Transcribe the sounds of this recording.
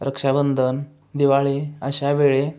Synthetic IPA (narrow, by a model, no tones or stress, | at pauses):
ɾəkʂabənd̪ʱən | d̪iʋaɭeəɕaʋeɭe